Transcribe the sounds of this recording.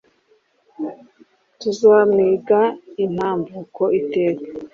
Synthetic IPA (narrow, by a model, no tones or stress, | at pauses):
tuzaːmŋiːɡain̥haːmbukoʔiteːɾe